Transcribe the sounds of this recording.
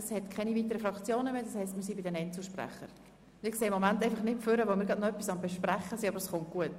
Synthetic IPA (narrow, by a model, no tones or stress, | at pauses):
shɛtkʰɛniviːt̪əɾəfɾɑkt͡sjoːnəmeːd̥ɑshɛɪstmɪːɾsibɪdɛnɛntt͡səʃpræ̰χə̰ɾ | ɪkseːɪmːɔmæntɛɪfɑχnɪtføɾəʋomɪːɾɡɑdnoœpːisɑmbɛʃpræχəsiɑbəɾəsχʊnt̚ɡ̥uət